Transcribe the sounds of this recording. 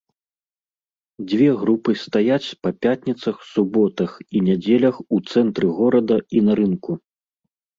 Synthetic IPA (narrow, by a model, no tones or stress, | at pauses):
d͡zʲvʲɛɣɾupɨst̪ajat͡sʲpɐpʲat̪ʲnʲit̪sɐxsubɔt̪ɐxinʲad͡zʲɛlʲɐxut̪sɛnt̪ɾɨɣɔɾɐd̪ɐinɐɾɨnku